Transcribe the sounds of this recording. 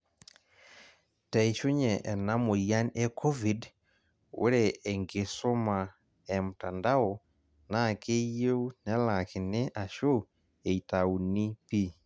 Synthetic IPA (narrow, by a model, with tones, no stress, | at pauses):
ta˨i˨ʃu˦ɲɛ˨ʔɛ˨na˦mo˨ja˦nɛ˦kɔ˦vi˨d | wo˦ɾeː˨ŋɡe˨so˦ma˨ | e˨mu˨ta˨nda˦ɔ˨ | na˦˨ke˦je˦u˦nɛ˦la˨ki˨ne˦ʔa˨ʃo˦ | e˨i˨ta˨u˨ni˦pi˦